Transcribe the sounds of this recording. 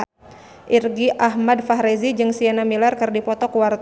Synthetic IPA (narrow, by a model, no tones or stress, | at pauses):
ʔirɡiʔaɦmad̚faɦɾezid͡ʒɨŋsiɛnamilarkɨrdipɔt̪ɔkuwart̪